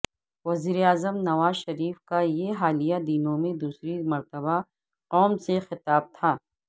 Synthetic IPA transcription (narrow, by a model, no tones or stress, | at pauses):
ʋɐziːɾeaːzəmnɐʋaːzʃɐɾiːfkajeɦaːlijad̪inõmẽd̪uːsɾimɐɾt̪əba | qɔːmsexɪt̪aːb̚t̪ʰaː